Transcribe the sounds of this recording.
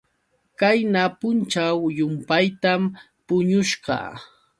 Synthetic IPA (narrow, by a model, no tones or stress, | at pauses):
kajnapʊnt͡ʃawjʊmpajt̪am | pʊɲʊʃɢɑ̰